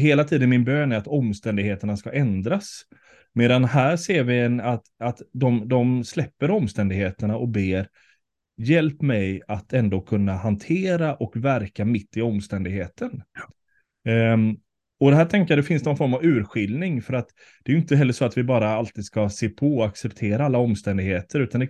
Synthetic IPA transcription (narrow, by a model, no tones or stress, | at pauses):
ɦeːlat̪ʰiːd̪ənmɪnbøːnæɾat̪ɔmst̪ɛnd̪ɪɡheːt̪əɳaskaʔɛnd̪ɾas | meːd̪anɦæːɾʂeːɾvɪɛnat̪at̪d̪ɔmd̪ɔmslɛpːəɾɔmːst̪ɛnd̪ɪɡheːt̪əɳaʔɔk̚beːɾ | jɛlpmɛjat̪ʰɛnd̪oːkʰɵnːahant̪ʰeːɾaʔɔkvæɾkamɪt̪ːɪɔmːst̪ɛnd̪ɪɡheːt̪ʰən | ɔd̪ɛɦæːʈʰɛŋkəɪjad̪ɛfɪnsd̪ɛnɔnfɔɾmavʉ̟ːɾɧɪlnɪŋfœɾat̪ | d̪̥ɛːjɵɪnt̪əɦɛlːəʂɔat̪vɪbɑːɾaalt̪iːd̪skaseːpʰɔaksɛpt̪ʰeːɾaalːaɔmːst̪ɛnd̪ɪɡheːt̪ʰəɾʉ̟ːt̪and̪ɛ